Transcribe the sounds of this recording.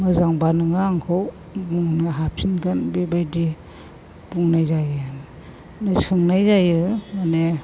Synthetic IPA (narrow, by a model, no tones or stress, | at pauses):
mɯzaŋbanɯŋaːŋkʰɔw | muŋnɯɦapʰsinɡanbebajdi | buŋnajzajɯn | nesɯŋnajzajɯmane